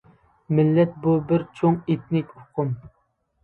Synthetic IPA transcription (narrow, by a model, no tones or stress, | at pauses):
mɪlːɛt̪̚bubɪɾt͡ʃʰoŋet̪nɪkʲʊqʰʊm